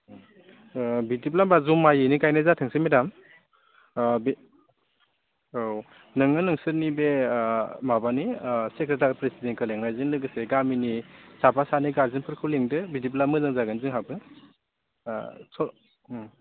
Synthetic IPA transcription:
bidip̬lambazumːajɯnikajnɯzatʰɯŋsimedam | bi | w | nɯŋɯnɯŋsɯɾnibe | mabanisekɾet̬aɾipɾesidenkʰɯleŋajzɯŋlɯɡɯseɡaminisapʰasaniɡaɾzinpʰɯɾkʰɯwleŋdɯbidip̬lamɯzɯŋzaɡɯnzɯŋɦabɯ | sɔ

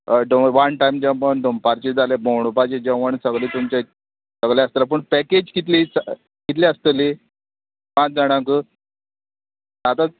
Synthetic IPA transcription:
ɖoʋaɳʈaimd͡ʑãpəɳɖompaɾt͡ɕed͡zalebowɽ̃upat͡ɕed͡ʑə̃ʋəɳsəɡɭit̪umt͡ɕe | səɡlẽəst̪əlap̬əɳpɛked͡ʑkit̪lit͡sa | kit̪̬liəst̪əli | mãd͡zaɽ̃ãkə | at̪a

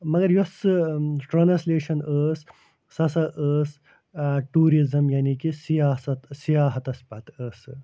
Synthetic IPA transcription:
mɐɡɐɾjosɨʈɾɐnsleːʃɐnəːs | sɐsɐʔəːs | ʈuːɾizɐmjaːnikisijaːsɐt̪sijaːɦɐt̪ɐspɐt̪əːs

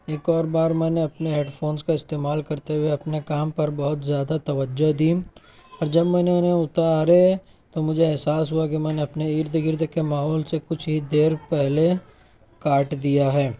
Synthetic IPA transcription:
eːkɔːɾbaːɾmɛːneɐpneɦeːɖfʰoːnskaɪst̪eːmaːlkɐɾt̪eɦuweɐpnekaːmpɐɾbɐɦʊt̪zjaːd̪at̪ɐʋəd͡ʒod̪iː | ɔːɾd͡ʒɐbmɛːneneʊt̪aɾe | t̪omʊd͡ʒʱeɛɦsaːsɦuakimɛːneɐpneiːɾd̪ʱɡɪɾd̪kemaːɦɔːlsekʊt͡ʃʰɦid̪eːɾpɛɦle | kaːʈd̪ijaɦɛː

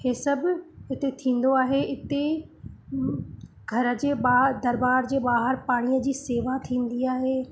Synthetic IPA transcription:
heːsɐbɪɦɪt̪et̪ʰĩːn̆d̪oaːɦeɪt̪e | ɡʱɐɾə̆d͡ʑeːɓad̪ɐɾbaːɾd͡ʑeːbaːɦəɾpaːɽ̃ijəd͡ʑiːseːʋat̪ʰĩːn̆d̪iaːɦeː

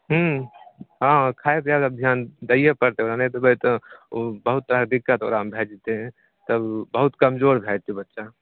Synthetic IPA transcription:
ɦũ | ɦãkʰaːep̪jad̪əb̚d̪ʱjaːnd̪əijəpəɾt̪eoːɾanet̪obət̪ | bəɦut̪ːəɾakd̪ikːət̪o̰ːɾambʱed͡ʒt̪eɦɛ̃ | t̪əbbəɦut̪kəmd͡ʒoɾbʱet͡ʃʰɛbət̪ːʃa

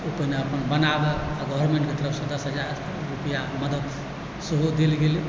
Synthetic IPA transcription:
upəneəpənbənabɛaɡɔəɾmẽɳʈket̪əɾəbsəd̪əsɦəd͡ʒaɾ | ɾupəjaməd̪əd̪ | səɦod̪elɡeli

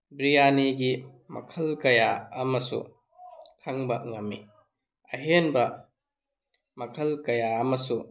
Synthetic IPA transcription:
bɾijaniɡi | mɐ̰kʰɐlkɐjaɐmɐsṵ | kʰɐŋbɐŋɐmːi | ɐɦenbɐ | mɐkʰɐlkɐjaɐmɐsu

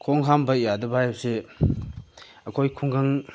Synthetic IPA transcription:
kʰɔŋɦambɐjadɐbajabse | ɐkʰojkʰuŋɡaŋ

